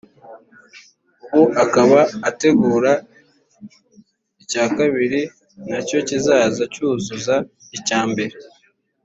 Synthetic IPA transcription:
uwoʔakaβaːte̞ɡuːɾa | icaːkaβiɾi | naco̞cizaːzacuːzuza | icaːmbe̞ɾe

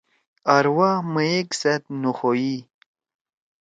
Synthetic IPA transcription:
aɾwaməeksɐt̪̚nuxoji

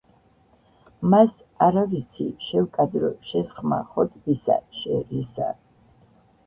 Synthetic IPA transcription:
mas | aɾavit̪sʰḭʃɛwkʼad̪ɾɔʃɛsχma̰χɔt̪ʼbisa̰ʃɛɾisa̰

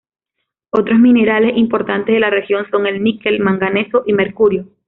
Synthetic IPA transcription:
o̞t̪ɾo̞smĩne̞ɾale̞simpo̞ɾt̪ant̪eðelare̞xjo̞nso̞ŋe̞lmike̞lmaŋɡane̞soʔime̞ɾkuɾjo̞

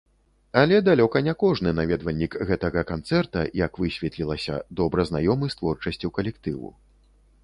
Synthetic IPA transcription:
alʲɛd̪alʲɔkɐnʲɛkɔʐnɨnavʲɛd̪vɐlʲːikɣɛt̪ɐɣɐkant̪sɛrt̪ɐjakvɨsʲvʲɛt̪lʲilˠɐsʲɐ̰d̪ɔbɾɐznajɔmɨst̪vɔrt͡ʂɐsʲt͡sʲiwkɐlʲɛkt̪ɨvṵ

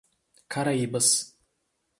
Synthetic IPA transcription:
kʰaɾaibɨs

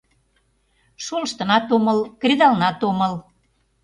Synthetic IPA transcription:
ʃolʃt̪ənɑt̪oməlkrʲed̪ɑlnɑt̪oməl

